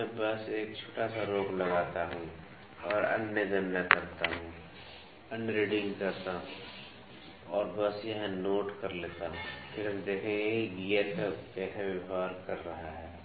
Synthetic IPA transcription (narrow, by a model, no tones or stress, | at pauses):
mɛ̃bɐseːk̚t͡ʃʰo̥ːʈasaɾoːklɐɡaːt̪aɦũ | ɔːɾɐ̰njəd͡ʒənːəkɐɾt̪aɦũ | ənɾeːɖɪ̃ŋɡkɐɾt̪aɦũ | ɔːɾbəsjɐɦãnoːʈkɐɾleːt̪aɦũpʰɪɾəmd̪eːkʰẽeiɡiːjəɾkakɛːsʰaʋəbaːɾkɐɾːɐɦaɦɛː